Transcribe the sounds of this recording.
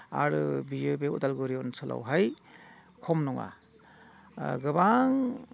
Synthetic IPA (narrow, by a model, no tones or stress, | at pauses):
a̰ɾɯbiobeutalɡuɾiɔnsʰɯla̰wɦaj | kʰɔmnɔŋa̰ | ɡɯbaŋ